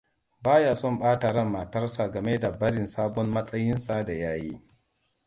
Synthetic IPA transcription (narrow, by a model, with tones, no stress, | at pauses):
baː˦jaː˨sɔ˦˨mɓaː˦ta˨ɾɐ˦˨mːa˨tɐ˦rsa˨ɡɐ˨me˦da˨bɐ˦ɽɪ˨nsaː˦bɔ˦mmɐ˦sʼɐ˦jɪ˦nsa˦da˨jaː˦jḭː˦